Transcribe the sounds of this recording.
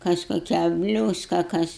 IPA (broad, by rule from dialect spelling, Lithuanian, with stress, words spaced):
ˈkɐs koːˈkʲæː ˈbʲlʲuːskɐ ˈkɐs